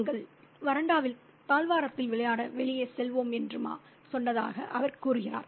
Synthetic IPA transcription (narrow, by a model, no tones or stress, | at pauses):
ŋɡɐɭ | ʋɐɾɐɳɖaːʋɪl | p̪aːlʋaːɾɐt̪ːɪlʋɪɭɐjaːɽɐʋɛɭɪjɐɪsɛlʋoːmɛndrɯma̰ː | sɔnːɐða̰ːɣɐ̰ʔɐʋɐɾkuːɾɯɣɪra̰ːɾ